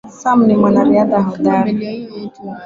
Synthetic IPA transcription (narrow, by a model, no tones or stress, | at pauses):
sam̩nɪmanaɾɪadaɦʊdaɾa